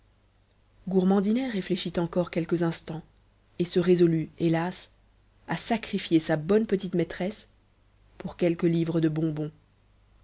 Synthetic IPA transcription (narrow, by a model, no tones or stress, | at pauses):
ɡuʁmɑ̃d̪inɛʁːefleʃit̪ɑ̃kɔʁkʲɛlkəzɛ̃st̪ɑ̃ | esəʁezɔlyelas | asakχifjesabɔnpət̪̬it̪mɛt̪χɛs | puʁkʲɛlkəlivʁəd̪əbɔ̃bɔ̃